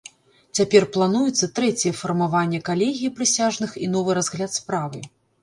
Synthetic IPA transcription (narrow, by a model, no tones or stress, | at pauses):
t͡sʲapʲɛrplˠanujɛt̪sːɐt̪ɾɛt͡sʲɛfɐrmavanʲːɛkalʲeɣʲiipɾɨsʲaʐnɨxinɔvɨɾazɣlʲat̪spɾavɨ